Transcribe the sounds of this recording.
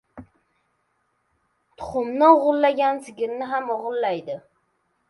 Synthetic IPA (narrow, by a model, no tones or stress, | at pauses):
t̪ʰʊ̥χʊmnɪoʁʊlˠːaɡʲansɪɡʲɪɾnɪɦamoʁʊlˠːajd̪ɪ